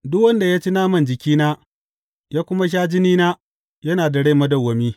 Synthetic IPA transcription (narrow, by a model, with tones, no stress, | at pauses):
dʊ˦k̚wɐ˦nda˨jaː˦t͡ʃi˦naː˦mɐ˦nd͡ʒɪ˨kʲiː˦naː˦ | jaː˦kʷʊ˦ma˦ʃ̬aː˦d͡ʒɪ˦niː˦naː˦ | jɐ˦naː˨dɐ˨ɽe˦˨mɐ˦dɐ˨wːɐ˨miː˦